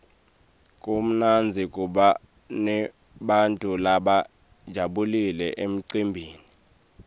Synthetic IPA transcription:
kʼum̩nand͡zʱikʼuɓa | nɛ | ɓantʼulaɓa | d̥ʒ̥ʱaɓulilɛʔem̩ǀimbʱiːni

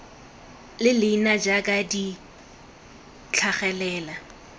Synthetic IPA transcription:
lɪlɪinad͡ʒakʼadi | t͡ɬʰaχɛlɛːla

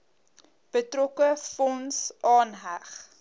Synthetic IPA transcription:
b̥ətrɔkəfɔnsʔɑːnɦæχ

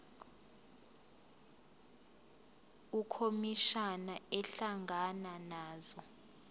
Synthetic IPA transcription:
ukʰomiʃanaɛɬaŋʱananaːzɔ

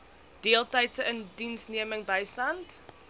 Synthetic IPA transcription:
d̥iəlˠtəjtsəəndinsniəməŋbəjstɐnt

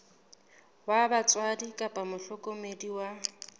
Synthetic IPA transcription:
wabat͡sʼwadikʼapʼamʊɬɔkʼomediwa

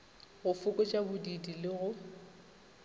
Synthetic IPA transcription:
ɣʊfʊkʼɔt͡ʃʼabʊdidilɪɣʊ

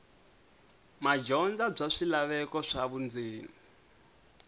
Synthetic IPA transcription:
mad͡ʒɔnd͡zab͡ʐaʂilaβɛkɔʂaβund͡ziːna

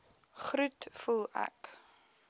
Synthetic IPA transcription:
χɾutfulˠæ̰k

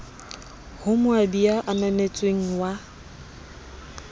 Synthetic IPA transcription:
hʊmʊadiaʔananet͡sʼweŋ̩wa

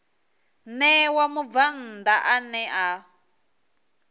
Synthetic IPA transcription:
nɛwamuvan̩d̪aʔanɛʔa

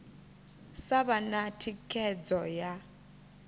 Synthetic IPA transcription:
saβanatʰikʰɛd͡zɔja

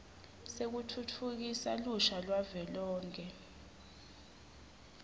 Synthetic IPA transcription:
sek̬utʰutʰuk̬isaluʃalwavɛlɔːŋkʰʼɛ

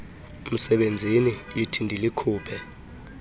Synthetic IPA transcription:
m̩sɛɓend͡zʱiniitʰindʱilikʰuːpʰɛ

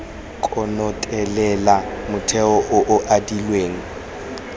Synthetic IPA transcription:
kʼɔnɔtʼɛlɛlamʊtʰɛɔʔʊʔʊʔadilweːŋ̩

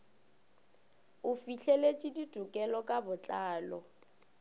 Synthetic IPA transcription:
ʊfiɬʰɛlet͡ʃʼidid̥ʱukʼɛlɔkʼabʊt͡ɬʼaːlɔ

